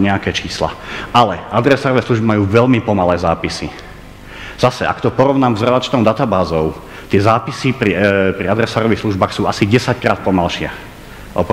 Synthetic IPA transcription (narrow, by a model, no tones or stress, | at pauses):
ɲɛakɛːt͡ʃiːsla̰alɛad̪ɾɛsaːɾɔʋɛːsluʒbimajuːʋɛʎmipɔmalɛːzaːpisi | z̥asɛʔa̰kt̪ɔpɔɾɔʊnaːmzɾɛd̪at͡ʃnɔʊd̪at̪abaːzɔʊ | t̪ɪɛzaːpisipɾipɾiad̪ɾɛsaːɾɔʋixsluʒbaːxsuːʔasiɟɛsackɾaːt̪̚pɔmalʃɪɛ̰ | ʔɔ̰p